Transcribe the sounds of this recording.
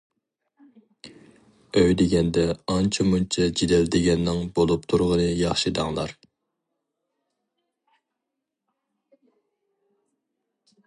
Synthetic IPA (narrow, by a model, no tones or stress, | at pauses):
øjd̪eɡʲɛnd̪ɛɑnt͡ʃʰɛmunt͡ʃʰɛd͡ʒid̪ɛld̪ɪɡʲɛnːɪŋbolˠupt̪ʰuɾʁənɨjɑχʃɨd̪ɑŋlˠɑ̰ɾ